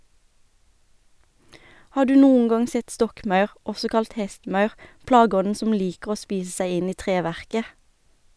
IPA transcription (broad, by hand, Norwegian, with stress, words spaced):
ˈhɑː ˈɖʉː ˈnuːəŋ ˈɡɑŋ ˈsɛt ˈstɔkˌmɑʉʁ ˈɔsɔ ˈkɑlt ˈhɛstˌmɑʉʁ ˈplɑːˌɡɔnn̩ ˈsʊm ˈliːkəʁ ˈoː ˈspiːs ˈsæɪ ˈɪn ˈiː ˈtʁeːˌʋæʁkə